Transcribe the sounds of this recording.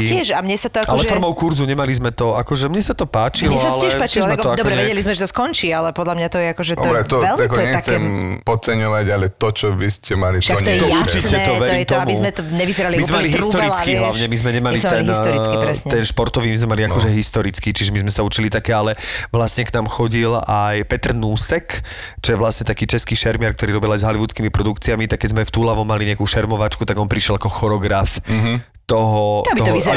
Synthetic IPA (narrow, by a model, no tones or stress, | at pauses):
ɪɛʃamɲɛsat̪ɔakʔalɛfɔɾmɔʊkuɾzuɲɛmalizmɛt̪ɔakɔʒɛmɲɛsat̪ɔpaːt͡ʃilɛɔsalɛɪɛʃpaːt͡ʃilzmɛt̪ɔakd̪ɔbɾɛɛɛɛlizmɛʒɛt̪ɔskɔnt͡ʃiːalɛpɔd̪lamɲat̪ɔjɛakɔʒɛɔbɾɛt̪ɔɛlakɔɲɛat͡sɛmpɔt͡sɛɲɔʋaɟalɛt̪ɔt͡ʃɔʋiscɛmaliʃaɔɲɛɔuɾt͡ʃitɛt̪ɔʋɛɾːmt̪ɔambizmɛt̪ɔɲɛʋizɛɾalimizmɛmaliɦst̪ɔɾit͡skiɦlaʊɲɛmizmɛɲɛmalit̪ɛnsɾiɾɛɲɛnʃpɔɾt̪ɔʋiːmizmɛmaliakɔʒɛɦist̪ɔɾit͡skit͡ʃiʒɛmizmɛsaut͡ʃilit̪akɛːalɛʋlasɲɛknaːmxɔɟilajpɛt̪rnuːsɛk | t͡ʃɔjɛʋlasɲɛt̪akiːt͡ʃɛskiːʃɛɾmɪaɾk̚t̪ɔɾiːɾɔbɛlajzɦaliʋut͡skimipɾɔd̪ukt͡siamit̪ak̚ːɛɟzmɛft̪uːlaʋɔmaliɲɛakuːʃɛɾmɔʋat͡ʃkut̪aɡɔnpɾiʃjɛlakɔxɔɾɔɡɾaf | t̪ɔɦɔabiɔɔi